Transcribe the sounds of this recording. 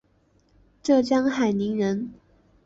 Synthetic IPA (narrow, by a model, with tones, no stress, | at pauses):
ʈ͡ʂɤ˥˩t͡ɕjɑ˥ŋxa˨˩ɪni˧˥ŋɻə˧˦˥n